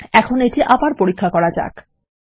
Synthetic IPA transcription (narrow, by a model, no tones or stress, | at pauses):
ɛkʰoneʈiʔabaɾpoɾikʰːakɔɾad͡ʑa̰k